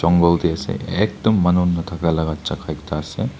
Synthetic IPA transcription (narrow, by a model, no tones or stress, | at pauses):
d͡ʒɔŋɡɔldiasḛɛk̚dɔmːanunːatʰakalaɡat̚t͡ʃakʰajk̚tʰaːse